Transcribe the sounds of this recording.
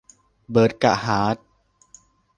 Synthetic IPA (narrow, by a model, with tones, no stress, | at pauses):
bɤː˨˩t̪̚ka̰˨ʔhaː˩˦t̪̚